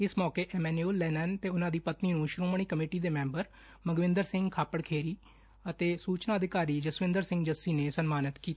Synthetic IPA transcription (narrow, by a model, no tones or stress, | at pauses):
ɪsmɔːkeːʔɛːmɛːnuuːlːɛːnɛnt̪eːʊnãːd̪iːpət̪niːnũːʃʊɾoːməɳ̃iːkəmeːʈiːd̪eːmɛ̃ːmbəɾ | məɡʋɪ̃nd̪əɾsɪ̃ŋɡkʰaːpəɽkʰeːɾiː | ət̪eːsuːt͡ʃnãːəd̪ɪkaːɾiːd͡ʒəsʋɪ̃nd̪əɾsɪ̃ŋɡd͡ʒəsːiːneːsənmaːnət̪kiːt̪ː